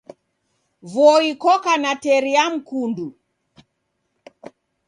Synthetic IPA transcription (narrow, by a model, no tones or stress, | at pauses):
vɔikɔkanatɛɾiam̩kundu